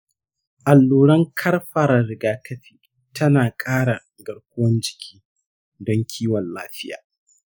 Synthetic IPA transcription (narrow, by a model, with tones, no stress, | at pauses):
ʔa˨lːuː˨ɾɐ˦ŋkʰɐ˦rɸɐ˨ɾa˨ɾɪ˨ɡaː˦kʰɐ˦ɸi̥ː˦ | tʰɐ˦naː˨kʼaː˦ɽa˨ | ɡɐ˨ɽkʷʊ˦wɐ˦nd͡ʒɪ̥˨kʲʰi̥ː˦ | dɔ˦ŋkʲʰiː˦wɔ˨nlaː˦ɸɪ˦ja̰ː˨